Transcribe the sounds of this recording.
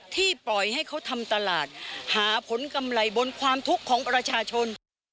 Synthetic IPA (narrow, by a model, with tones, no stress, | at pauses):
t̪ʰiː˥˩plɔ˨˩jha˥˩jkʰa˦˥wt̪ʰa˧mt̪a˧laː˨˩t̪̚haː˩˦pʰo˩˦nka˧mɾa˧jbo˧nkʰwaː˧mt̪ʰu˦˥kʰːɔː˩˦ŋpɾa˧t͡ɕʰaː˧t͡ɕʰo˧n